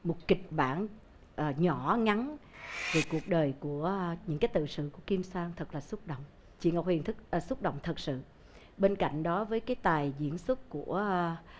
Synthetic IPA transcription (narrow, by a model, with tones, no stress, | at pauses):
mo˨˩t̚ki˨˩k̟̚ɓaː˧˩n | ʔəː˨˩ɲɔ˧˩ŋa˨˦nve˨˩ku˨˩ək̚ɗəː˨˩jku˧˩əɲɨ̰˧˥ŋkaː˨˦jt̪ɨ̰˧˨sɨ̰˧˨ku˧˩əki˧mswaː˧ŋt̪ʰə˨˩k̚laː˨˩su˦˥t̚ɗo̰˧˨wŋ͡m | t͡ɕḭ˧˨ŋa˨˩k͡p̚hi˨˩ənt̪ʰɨ˦˥k̚ːsu˦˥k͡p̚ɗo̰˧˨wŋ͡mt̪ʰə˨˩t̚sɨ̰˧˨ | ɓe˧nka̰˧˨jŋ̟ɗɔ˨˦vəː˨˦jkaː˨˦jt̪aː˨˩jzḭ˧˩˨ənswu˦˥t̚ku˧˩ə